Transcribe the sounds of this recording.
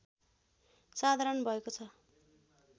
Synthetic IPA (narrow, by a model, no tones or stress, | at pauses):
sad̪ʱaɾʌnbʱʌekot͡sʰʌ